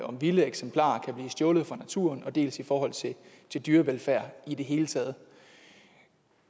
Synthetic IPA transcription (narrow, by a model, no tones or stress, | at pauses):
ɒ̽mʋiləeɡ̥sempʰl̥ɑ̰̈ːkʰæb̥liːsd̥jɔ̽ːlð̩ˠfɑ̈næt͡sʰuɐnɒ̽d̥e̝̰ːlsifɒːɦɒ̽l̰t͡sʰe̝ | t͡sʰe̝ld̥yːɐʋelfæɐ̰id̥e̝ɦe̝ːlət͡sʰɛ̰ːð̞̩ˠ